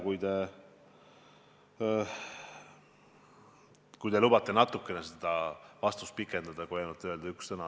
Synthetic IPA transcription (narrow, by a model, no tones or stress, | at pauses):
kujt̪e̞ | kujd̪e̞lub̥ɑt̪ːˑe̞nɑt̪ːˑukːˑe̞nesed̪̥ɑvɑst̪ust̪̚pikːe̞nd̪̥ɑd̪̥ɑkojenut̪ːeøld̪̥ɑykssɤnɑ